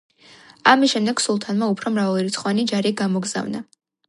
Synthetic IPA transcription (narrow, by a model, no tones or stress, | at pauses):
amisʃɛmd̪ɛɡ̥sulˠt̪ʰanmaupʰɾɔmɾavalˠɾit̪sʰχɔvanid͡ʒaɾiɡamɔɡz̥a̰vna